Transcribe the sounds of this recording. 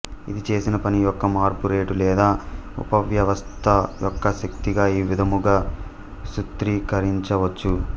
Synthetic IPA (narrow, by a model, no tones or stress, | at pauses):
id̪it͡ʃe̞ːsinɐpɐnijɔkːɐmaːɾpuɾe̞ːʈulɛːd̪aːṵpɐʋjɐʋɐst̪ʰɐjɔkːɐʃekt̪iɡaːiːʋid̪ʱɐmuɡaː | ʃut̪ɾiːkɐɾiɲt͡ʃɐʋɐt͡ʃːu